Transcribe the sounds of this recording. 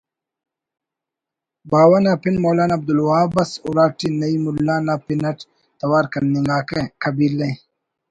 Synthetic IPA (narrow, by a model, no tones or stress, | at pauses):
baːwanaːpinmoːlaːnaːb̚d̪ulwaːbɐsuɾaːʈinɐimulːaːnaːpinɐʈ | t̪ɐwaːɾkɐnːiŋɡaːkekʰɐbilːe